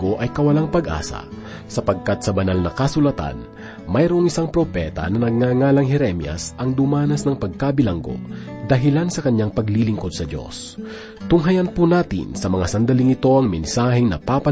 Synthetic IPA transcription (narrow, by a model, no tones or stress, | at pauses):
oʔɐjkɐwɐlaŋpɐɡʔa̰ːsɐ̰ | sɐpɐɡ̚kat̪̚sɐbɐnalnɐkɐsʊlɐt̪a̰n | mɐjɾoʔoŋɪsaŋpɾopɛt̪ɐ̰nɐnɐɡ̚ŋaːŋaːlɐŋɦɛɾɛmjɐ̰sʔɐŋd̪ʊmaːnɐsnɐŋpɐɡ̚kabɪlaŋɡo̞̰d̪ɐɦɪlansɐkɐɲːaŋpɐɡlilɪŋko̞d̪̚sɐd̪jo̞̰s | t̪ʊŋɦɐjɐnpunaːt̪ɪ̰nsɐmɐŋasɐnd̪ɐliŋɪt̪o̞ʔɐŋmɛnsaːhɪŋnɐ̰papɐ